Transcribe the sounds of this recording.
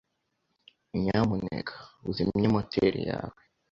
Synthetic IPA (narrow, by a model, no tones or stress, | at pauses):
iɲamunḛkʰḁuzimɲimotʰeɾḭjaːwe